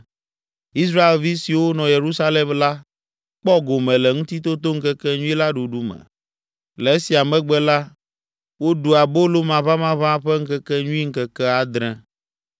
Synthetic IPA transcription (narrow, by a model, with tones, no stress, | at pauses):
i˦s̬ɾa˦e˨lvi˦si˨wo˦nɔ̃˨je˨ɾu˦sa˦le˨mla˦ | k͡pɔ˦ɡo˨mɛ̃˨lɛ˨ŋũ˦t̪i˦t̪o˦t̪o˦ŋ̩˦kɛ˦kɛ˦ɲũ˦i˦la˦ɖu˨ɖu˦mɛ̰̃˨ | lɛ˨e˦si˨a˨mɛ̃˦ɡ͡bɛ˦la˦ | wo˦ɖu˨a˨bo˦lo˦mã˨βã˦mã˦βã˦ɸɛ˦ŋ̩˦kɛ˦kɛ˦ɲũ˦i˦ŋ̩˦kɛ˦kɛ˦a˨d̪ɾɛ̃˦